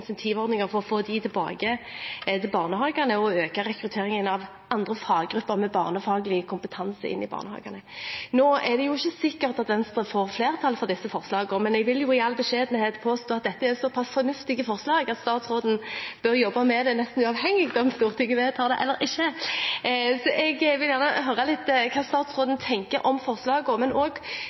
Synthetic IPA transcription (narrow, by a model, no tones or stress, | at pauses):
nsɛnt̪ʰiːʋɔʁd̪nɪŋəʁfɔʁɔfoːd̪it̪ʰɪlbɑ̰ːɡəɛt̪ʰɪlbɑːʁnəhɑːɡɑnəɔøːkɑɾɛkɾʉt̪ʰeːʁɪŋənɑʋ | ɑnd̪ʁəfɑːɡɡɾʉpːəʁmɛbɑːʁnəfɑːɡəlɪkʰʊmpət̪ʰɑnsəɪ̰nːɪbɑ̰ːʁnəhɑ̰ːɡɑnənoːɛd̪ɛjʊɪçːəsɪkːəʁt̪ɑt̪ʋɛnst̪ʁəfoːʁfleːʁt̪ʰɑlfɔʁd̪ɪsːəfɔʁslɑːɡɔmɛnɛɡʋɪljʊɪɑlːbəʂeːd̪n̩heːt̪pʰoːst̪oːɑt̪̚d̪ɛt̪ːəɛʁsɔpʰɑsfɔʁnʉft̪ɪɡəfɔʁslɑːɡɑt̪st̪ɑːt̪sʁoːd̪n̩b̥œʁjɔbːɑmɛd̪ɛnɛst̪n̩ʉɑʋhɛŋːɪɡd̪ɔmst̪uːʁt̪ʰɪŋːəʋeːt̪ʰɑːd̪ɛʔɛlːəɾʔɪçːə | sɔʔɛɡʋɪljæːʁnəɦœɾəlɪt̪ːkʰɑːst̪ɑːt̪sʁoːd̪n̩t̪ʰɛŋkəɾʔɔmfɔʁslɑːɡɔmɛnoːɡ